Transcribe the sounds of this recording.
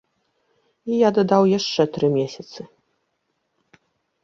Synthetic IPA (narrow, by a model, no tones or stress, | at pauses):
ijad̪ad̪awjaʂt͡ʂɛt̪ɾɨmʲesʲɐt̪sɨ